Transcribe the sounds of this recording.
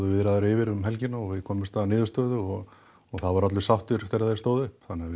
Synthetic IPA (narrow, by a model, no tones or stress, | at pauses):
ðʏvɪðɾaðaɾɪvɪɾʏmɦɛlcɪnːaɔɣvɪðkʰɔːmɪmst̪anɪːðʏst̪œːðʏɔɣ | ɔɣθaðvaɾat̪lʏ̥sawht̪ʏɾfθɪɾaðθeɾ̥st̪oːwðʏhpθanːɪːavɪ